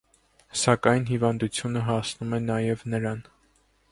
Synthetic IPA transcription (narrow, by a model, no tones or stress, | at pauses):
sɑkɑjnhivɑnd̪ut͡sʰjunəɦɑsnumɛnɑjɛvnəɾɑn